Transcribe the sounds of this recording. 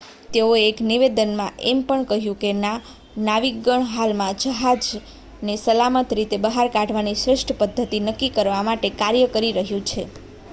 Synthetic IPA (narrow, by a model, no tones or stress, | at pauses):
t̪eoeːkniʋed̪ənmãʔempəɳkəɦjũkena | naʋiɡəɳɦalmãd͡ʒəɦad͡ʒ | nesəlamət̪ɾit̪ebəɦaɾkãʈʋanisɾɪʃʈʰəpəd̪ʱːət̪inəkːikəɾʋamaʈekaɾjəkəɾiɾəɦjũt͡ʃʰe